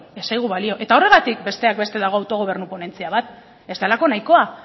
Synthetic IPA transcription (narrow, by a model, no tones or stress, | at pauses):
esajɣ̞uβalio̞ʔe̞t̪ao̞re̞ɣ̞at̪ik̚be̞st̪e̞ak̚be̞st̪e̞ðaɣ̞o̞awt̪o̞ɣo̞β̞e̞ɾnupo̞ne̞nt͡siaβat̪ | e̞st̪ealako̞najko̞a